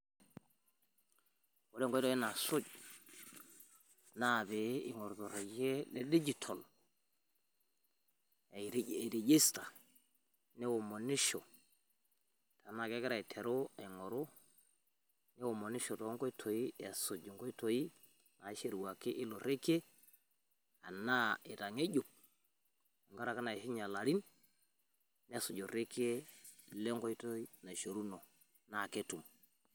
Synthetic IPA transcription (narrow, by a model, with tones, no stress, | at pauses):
o˦ɾe˦ŋkɔ˦tɔ˨˦i˦na˨sʊ˦d͡ʒ | na˦˨be˨˦ɪ˨ŋɔ˨ɾtɔ˨ɾe˨d͡ʒe˦lɛ˦di˦d͡ʒi˨tʰɔ˨l | e˨ɾe˨d͡ʒɪ˦sta˨ | nɛ˦wo˨mo˨nɪ˦ʃɔ˨ | ta˨na˦˨kɛ˦kɪ˦ɾa˨i˨tʰɛ˨ɾʊ˦a˨ŋɔ˨ɾʊ˦ | nɛ˦wo˨mo˨nɪ˦ʃo˨to˨˦ŋko˦i˦tʰo˨ji˦e˨su˨d͡ʒŋko˦i˦to˨ji˦ | na˨i˦ʃe˦˨ɾu˨wa˨ki˦ʔɪ˦lo˨ɾe˦ke˦ | a˨na˦i˨ta˨ŋe˦ɟu˨p̚ | ŋɡa˦ɾa˨ka˦na˨ʃi˦ɲa˨la˨ɾi˦n | ne˦sʊ˨d͡ʒo˨ɾe˦ke˦le˦ŋko˦i˦to˦i˦na˨ʃo˨ɾu˦no˨ | na˦˨ke˦tu˨m